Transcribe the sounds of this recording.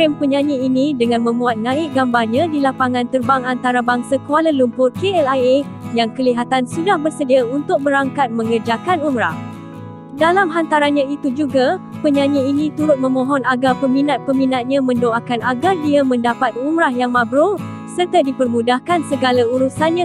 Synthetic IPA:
ɾɛmpəɲãɲiːnĩdəŋãnmə̃mbuat̪̚nãɪʔ̚ɡambarɲãdilapaŋãnt̪ərbaŋant̪aɾabaŋsakualalumpʊrkeɛlaje | jaŋkəliɦat̪ansudahbərsədiaunt̪ʊk̚bəɾaŋkat̪̚mə̃ŋərd͡ʒakanumɾa̰h | dalamɦant̪aɾanɲãit̪ud͡ʒuɡapəɲãɲiinĩt̪uɾʊt̪̚mə̃mõɦɔnaɡarpəminat̪̚pəminat̪̚ɲãmə̃ndoakanaɡardiamə̃ndapat̪̚umɾahjaŋmabɾo | sərt̪adipərmũdahkansəɡalauɾusanɲã

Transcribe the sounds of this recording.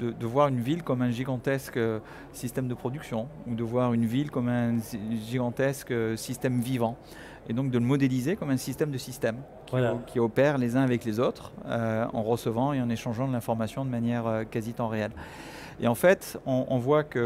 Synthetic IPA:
d̪əd̪əvwaʁynvilkɔmɛ̃ʒiɡɑ̃t̪ɛskø | sist̪ɛmd̪əpχɔd̪yksjɔ̃ud̪əvwaʁynvilkɔmɛ̃ʒiɡɑ̃t̪ɛskøsist̪ɛmvivɑ̃ | ed̪ɔ̃k̚d̪ələmɔd̪elizekɔmɛ̃sist̪ɛmd̪əsist̪ɛm | kʰʲkʲʰiɔpɛʁlezɛ̃avɛklezot̪χøɑ̰̃ʁəsəvɑ̃eɑ̃neʃɑ̃ʒɑ̃d̪əlɛ̃fɔʁmasjɔ̃d̪əmanjɛʁøkazit̪ɑ̃ʁeɛl | ḛɑ̃fɛt̪ɔ̃ʔɔ̰̃vwakə

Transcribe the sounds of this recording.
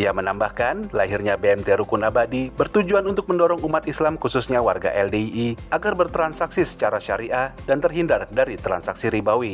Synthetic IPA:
ijamənambahkanlaɦirɲabeɛmt̪eɾukunabadibərt̪ud͡ʒuanunt̪ʊk̚məndɔɾɔŋumat̪islamkususɲawarɡa̰ʔɛldeiiaɡarbərt̪ɾansaksisə̥t͡ʃaɾaʃaɾiʔadant̪ərɦindardaɾit̪ɾa̰nsaksiɾibawi

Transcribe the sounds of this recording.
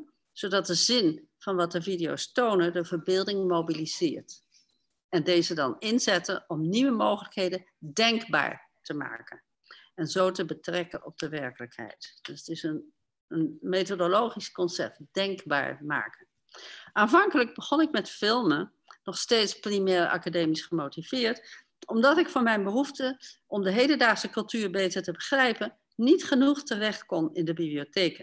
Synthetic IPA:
z̥odɑt̚dəzɪn | v̥ɑnʋɑt̚dəvidio̰wstownədəvəɹbɪːlˠdɪŋmowbilizɪːɹt | ɛndejzədɑnɪnzɛtənɔmniʋəmowχələkɦejdən | dɛŋkba̰ːɹ | təma̰ːkən | ɛnzowtəbətrɛkənɔ̰b̚d̥əʋɛɹkələkɦɛ̰jtdsətɪsən | ənmetodolowχiskɔnsɛ̰p̚td̥ɛŋkba̰ːɹma̰ːkən | ʔaːnvɑŋkələɡ̚bəχɔnɪkmɛtfɪlˠmən | nɔχstejtsprimɛːɹɑ̰kadeːmisχəmowtiv̥ɪːɹt | ɔmdɑtɪkfɔːɹmɛjnbəɦuftəʔɔmdəɦejdəndaːχsəkɵlˠtyːɹbejtəɹtəbəχrɛjpən | nitχənuχtərɛχtkɔnɪndəbibliotejkən

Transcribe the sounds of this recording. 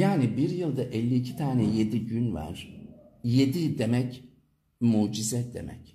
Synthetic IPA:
jaːnibiɾjɯlˠd̪aʔɛlʲːiicʰi̥t̪ʰaːnɛje̞d̪iɟynva̰ɾ̥je̞d̪id̪e̞mɛc | muːd͡ʒizɛd̪e̞̰mɛ̰c

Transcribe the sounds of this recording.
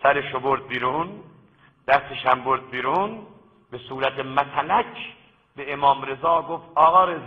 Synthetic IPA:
sæɾeʃoboɾd̪̚biːɾun | d̪̥æst̪eʃæmboɾd̪̚biɾun | b̥esuːɾæt̪ʰemæt̪ʰælækʰ | b̥eemɒːmɾe̞zɒːɡoft̪ɒːɣɒːɾez

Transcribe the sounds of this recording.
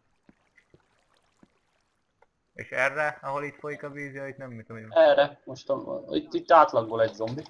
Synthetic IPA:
eːʃɛrːɛɒɦo̞lit̪fojikɒviːzijoit̪nɛmːit̪omɛrɛmoʃt̪oḭt̪ːit̪ːaːt̪lɒɡ̚boːlɛɟzo̞mbi

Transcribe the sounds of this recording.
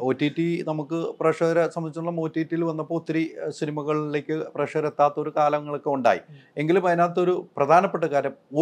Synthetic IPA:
o̞ːtːitːinɐmukːɨprɐʂɐɾɐsɐmɐnit͡ɕːunɭːɐmoːtːiːtːijilʋɐnːɐpːo̞ːt̪ːɐɾisinimɐɣɐɭle̞ːkʲːɨprɐʂɐɾet̪ːaːt̪ːɐo̞ɾukaːlɐŋːɐɭo̞kːeuɳɖa̰ːjḭe̞ŋɡilumɐjɐnaːt̪ːɐo̞ɾuprɐd̪ʱaːnɐpːe̞ʈːɐkaːɾɐmo

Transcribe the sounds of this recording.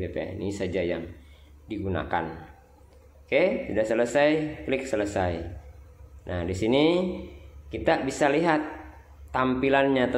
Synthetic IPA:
bepḛɛ̰nisad͡ʒaja̰ŋ | diɡuna̰ka̰n | kesudahsələsajklɪk̚sələsaj | nʔahdisini | kit̪abisaliɦat̪ː | ampilanɲat̪a

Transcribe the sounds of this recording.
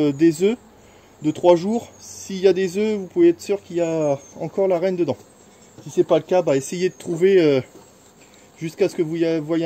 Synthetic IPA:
d̪ezø | d̪ət̪χwaʒuːʁsiljad̪ezøvupuveɛt̪χə̥syʁkʲiljaɑ̃kɔʁlaʁɛnd̪əd̪ɑ̃ | sisɛpaləkabaesejed̪ət̪χuveø | ʒyskasə̥kəvuvwaj

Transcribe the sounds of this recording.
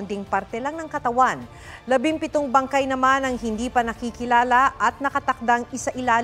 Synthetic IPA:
nd̪ɪŋpaɾt̪ɛlɐŋnɐŋkɐt̪ɐwan | lɐbɪŋpɪt̪oŋbɐŋkajnɐmanɐŋhɪnd̪iːpɐnɐkiːkɪlaːlɐʔɐt̪̚nɐkɐt̪ɐk̚d̪aŋɪsaʔɪlaːl

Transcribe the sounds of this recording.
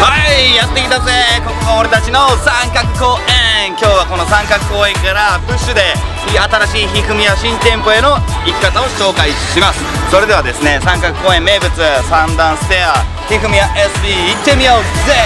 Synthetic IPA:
haijat̪ːekʲid̪aseko̞kod̪ooɾe̞t̪at͡ɕino̞sãŋkakɯ̟̥ko̞ːʔẽkʲo̞ːβako̞no̞sãŋkakɯ̟̥ko̞ːẽ̞ŋkaɾabɯ̟ɕːɨd̪e̞ | iat̪aɾaɕiːçikɯ̟mʲijaɕĩnt̪ẽ̞mpo̞e̞no̞ | ikʲi̥kːat̪ao̞ɕo̞ːkaiɕimasɨ̥ | so̞ɾe̞d̪e̞βad̪e̞sɨne̞sãŋkakɯ̟̥ko̞ːẽ̞mːe̞ːbɯ̟t͡sɨsãnd̪ãɰ̃sɨ̥t̪ea | çikɯ̟mʲijaʔesɨ̥pʲiːt̪ːe̞mʲioze

